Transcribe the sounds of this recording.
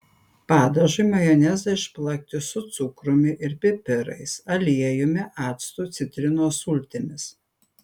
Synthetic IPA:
pɑːd̪ɐʒʊɪmɐjɔnʲɛzɐɪʃplˠɐk̚ʲt̪ʲɪsʊt̪sʊkɾʊmʲɪʔɪɾpʲɪpʲɪɾɐ̰ɪsɐlʲiɛjʊmʲɪʔɑːt̪st̪uːˑt̪sʲɪt̪ʲɾʲɪnoːsʊlʲt̪ʲɪmʲɪs

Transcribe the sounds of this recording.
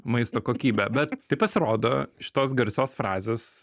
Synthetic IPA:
mɐɪst̪oːkoːkʲiːbʲɛbʲɛt̪t̪ɐɪpɐsʲɪɾoːd̪oʃʲɪ̥t̪oːs̬ɡɐɾʲsʲoːsfɾɑːzʲeːs

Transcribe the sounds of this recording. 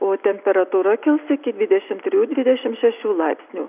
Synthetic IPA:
ot̪ʲɛmʲpʲɛɾɑt̪uɾɑkʲɪlˠsɘkʲɪd̪ʲʋʲid̪ʲɛʃʲɪmt̪ʲɾʲud̪ʲvʲid̪ʲɛɕɪmʃæʃulˠɑpʲsʲnʲu

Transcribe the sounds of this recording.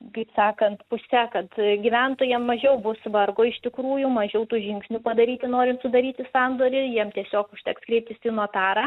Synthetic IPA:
kɐɪpsɑːkɐnt̪pʊsʲɛkɐt̪ɡʲɪʋʲɛnt̪oːjɛmːɐʒʲɛʊbʊsʋɐrɡoːɪʃʲt̪ʲɪkɾuːjʊmɐʒʲɛʊt̪uːʒʲɪŋksʲnʲupɐd̪ɐɾʲiːt̪ʲɪnoːɾʲɪmt̪sʊd̪ɐɾʲiːt̪ʲɪsɑnd̪oːɾʲɪjiɛmt̪ʲiɛsʲoːkʊʃʲt̪ʲɛkskɾʲɛɪp̚ʲt̪ʲɪsʲɪnuɔt̪ɑːɾɐ

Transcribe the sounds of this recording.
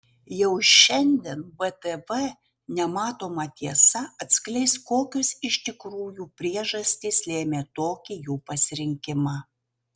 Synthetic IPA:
jɛʊʃʲɛnʲd̪ʲɛnbɛt̪ɛʋɛ | nʲɛmɑːt̪oːmɐt̪ʲiɛsɐɐt̪ʲsklʲɛɪskoːkʲosɪʃʲt̪ʲɪkɾuːjuːpʲɾʲiɛʒɐsʲt̪ʲiːslʲeːmʲeːt̪oːkʲijuːpɐsʲɪɾʲɪŋʲkʲɪmɑ

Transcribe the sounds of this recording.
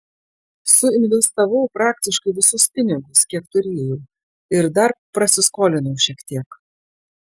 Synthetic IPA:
sʊɪnʲʋʲɛst̪ɐʋɐʊpɾɑːk̚t̪ʲɪʃkɐɪʋʲɪsʊspʲɪnʲɪɡʊskʲiɛkt̪ʊɾʲeːjɛʊ | ɪɾd̪ɐɾpɾɐsʲɪskoːlʲɪnɐʊʃʲiɛkt̪ʲiɛk

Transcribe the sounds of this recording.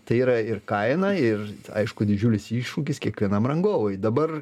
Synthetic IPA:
t̪ɐɪiːɾɐɪrkɐɪnɐɪrɐ̰ɪʃkʊd̪ʲɪd͡ʒʲuːlʲɪsiːʃʃʊkʲɪskʲiɛkʋʲiɛnɐmrɐŋɡoːʋɐɪd̪ɐbɐr

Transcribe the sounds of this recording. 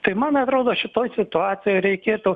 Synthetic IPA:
t̪ɐɪmɐnɐt̪ɾoːd̪oːʃʲɪt̪oːjsʲɪt̪ʊɑːsʲɪjoːɪɾʲɛɪkkʲiːɾt̪ʊ

